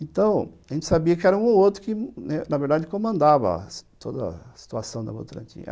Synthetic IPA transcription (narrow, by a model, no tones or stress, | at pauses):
ẽt̪ɐ̃w̃aʒẽnt͡ʃɪsabiɐkɪɛɾɐũowt̪ɾʊkɪnɛnɐveɾd̪ad͡ʒɪkõmɐ̃nd̪avɐ̰t̪ʰod̪ɐsi̥t̪uasɐ̃w̃d̪ɐbo̰t̪ɾɐ̰̃nt͡ʃ̪ḭ̃ɐ̰